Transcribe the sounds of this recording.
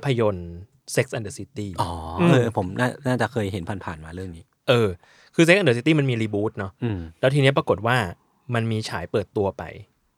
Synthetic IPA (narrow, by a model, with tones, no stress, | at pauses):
pʰːa˧jo˧n | se˦˥k̚sʔa˧ndə˧si˦˥t̪iː˥˩ʔɔː˩˦ʔɤː˧pʰo˩˦mnaː˥˩naː˥˩t͡ɕa˨˩kʰɤː˧jɦe˩˦npʰa˧npʰa̰ː˨˩nmaː˧ɾɯ˥˩əŋniː˦˥ | ʔɤː˧ | kʰɯː˧s̬e˦˥k̚ʔa˧ndəː˧˩si˦˥t̪iː˥˩ma˧nmiː˧ɾiː˧buː˦˥t̪̚nɔ˦˥ʔlɛ˦˥t̪ʰiː˧ni˦˥ɐpɾa˧ko˨˩t̪̚waː˥˩ | ma˧nmiː˧t͡ɕʰaː˩˦jpɤː˨˩t̪ːu˧ɐpa̰˧j